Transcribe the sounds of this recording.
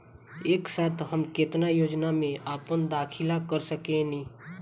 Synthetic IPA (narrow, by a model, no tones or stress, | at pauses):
eːksaːt̪ʰɦəmkɪt̪najoːd͡ʒnamẽʔaːpənd̪aːkʰɪlakəɾsəkẽnĩː